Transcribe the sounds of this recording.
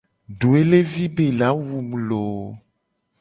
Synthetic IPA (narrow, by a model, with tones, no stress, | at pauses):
ɖo˨e˦le˦vi˦be˨la˨˦wu˨m˨lo˨